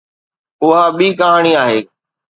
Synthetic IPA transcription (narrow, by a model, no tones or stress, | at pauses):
ʊɦaɓiːkəɦaːɽ̃iaːɦeː